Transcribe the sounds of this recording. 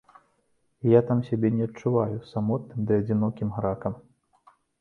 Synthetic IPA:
jat̪amsʲabʲɛnʲɛɐtt͡ʂːuvajusamɔt̪̚nɨmd̪ɨɐd͡zʲinɔkʲimɣɾakɐm

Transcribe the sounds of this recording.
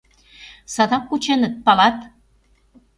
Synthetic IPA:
sɑd̪ɑkːut͡ɕenət̪̚pɑlɑt̪

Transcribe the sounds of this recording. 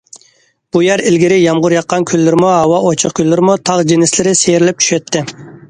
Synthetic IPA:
b̥ujɛɾɪlɡʲiɾɪjɑmʁʊɾjɑqʰːɑnkʲʰylːyɾɪmuɦɑwɑʔot͡ʃʰəqkʲʰylːɪɾɪmut̪ʰɑʁd͡ʒinɪslɪɾɪseɾɪlɪp̚t͡ʃʰy̥ʃɛt̪ʰːɪ

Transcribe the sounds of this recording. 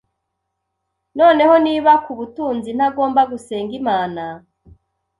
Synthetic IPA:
no̞ːne̞ho̞niːβakuβutuːnzin̥aɡo̞ːmbaɡuse̞ːŋɡimaːna

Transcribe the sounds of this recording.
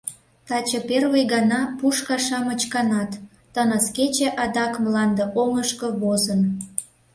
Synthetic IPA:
t̪ɑt͡ɕəperβəjɣɑnɑpuʃkɑʃɑmət͡ɕkɑnɑt̪ː | ənət͡sket͡ɕeʔɑd̪ɑkmlɑnd̪eʔoŋəʃkə̆βozən

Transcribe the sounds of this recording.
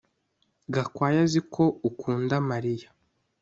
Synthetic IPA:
ɡakwaːjazikʰo̞ukuːndamaɾijḁ

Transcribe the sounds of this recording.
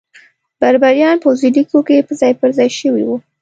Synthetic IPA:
b̥aɾbaɾjɑnpawzilikokepəzɑjpəɾzɑjʃəwḭwu

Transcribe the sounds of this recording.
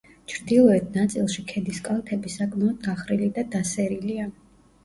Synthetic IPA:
t͡ʃʰɾd̪ilˠɔɛt̪ʰnat̪sʼilˠʃikʰɛd̪iskʼalˠt̪ʰɛbisakʼmaɔd̪ɡaχɾilid̪ad̪asɛɾilia

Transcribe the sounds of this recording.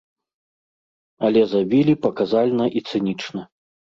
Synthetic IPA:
ɐlʲɛzabʲilʲipɐkazalʲnɐʔit̪sɨnʲit͡ʂnɐ

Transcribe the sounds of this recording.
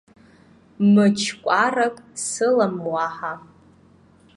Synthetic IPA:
mɨt͡ʃʰkʷʼarakʼsɨlamwaħa

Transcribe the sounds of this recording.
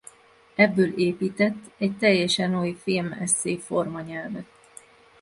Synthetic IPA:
ɛbːøːleːpiːt̪ɛt̪ːɛct̪ɛjːɛʃɛnojfilmɛ̰sːeːfo̞rmɒɲɛlvɛt̪

